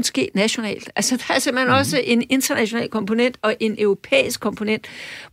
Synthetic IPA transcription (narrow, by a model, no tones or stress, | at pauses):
nsɡ̥e̝̰ːd̥næɕo̝nɛ̰ːld̥ælsəd̥ɑ̈æɐsem̰b̥l̥he̝nɒ̽səʔe̝ne̝nd̥ɐnæɕo̝nɛ̰ːlkʰɒ̽mpʰo̝nen̰d̥ɒ̽ʔe̝nœʊʁo̝pʰḛːisɡ̥̚kʰɒ̽mpʰo̝nen̰d̥